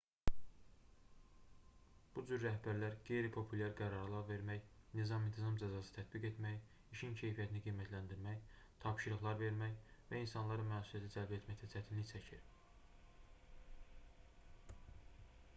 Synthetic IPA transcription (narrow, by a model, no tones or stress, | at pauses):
b̥ud͡ʒyɾːæhbæɾlæɾɡe̞jɾipʰo̞pʰulʲæɾɡæɾɑɾlˠɑɾve̞ɾmæjnizɑmint̪ʰizɑmd͡ʒæzɑsɯ̥t̪ʰæt̪̚biɡe̞t̪mæj | iʃincʰe̞jfijæt̪ʰiniɡijmæt̪ʰlænd̪iɾmæj | t̪ʰɑpʃɯɾɯχlˠɑɾve̞ɾmæjvæinsɑnlˠɑɾɯnmæːsuliæt̪ʰid͡ʒælbæet̪mæct̪ʰæt͡ʃʰæt̪ʰinliçt͡ʃʰæcʰiɾ